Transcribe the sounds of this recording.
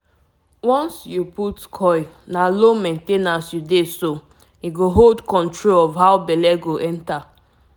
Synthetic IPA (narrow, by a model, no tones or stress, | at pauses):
wɔ̃nsjuputkʰɔj | nalomẽntenasjudeso | iɡoɦoldkɔ̃ntɹolɔvɦaʊbɛlɛɡoʔɛ̃nta